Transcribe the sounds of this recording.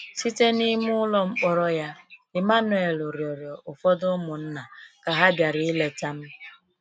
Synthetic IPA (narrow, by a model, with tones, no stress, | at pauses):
si˦te˦ni˦mʊ˦lɔ˦ŋ͡m̩˦k͡pɔ˦ɾɔ˦ja˦ɪ˨ma˦nʊ˨e˨lʊ˨ɾjɔ˨ɾjɔ˨ʔʊ˨fɔ˦dʊ˦mʊ˨n̩˦na˨ka˨ɦa˦bja˨ɾi˨ɪ˦le˨ta˦m̩˦